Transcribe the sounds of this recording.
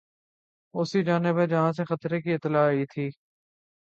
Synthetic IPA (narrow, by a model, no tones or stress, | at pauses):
ʊsid͡ʒaːnɪbed͡ʒɐɦãs̬exɐt̪ɾekiɪt̪ːɪlaːit̪ʰiː